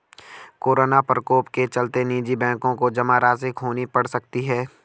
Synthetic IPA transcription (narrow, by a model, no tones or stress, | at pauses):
koːɾoːnapɾəkoːpket͡ʃɐlt̪eniːd͡ʒibɛ̃ːkõkod͡ʒɐmaɾaːzɪkɦoːnipɐɽsɐk̚t̪iɦɛː